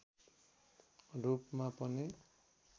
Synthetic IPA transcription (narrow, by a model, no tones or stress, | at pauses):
ɾupmapʌni